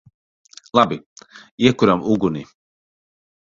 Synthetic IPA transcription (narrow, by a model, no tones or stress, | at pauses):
labijekuɾamuɡuni